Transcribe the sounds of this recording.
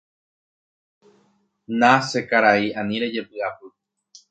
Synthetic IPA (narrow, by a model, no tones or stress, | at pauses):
nãse̞kaɾaiãnĩɾe̞d͡ʒe̞pɨapɨ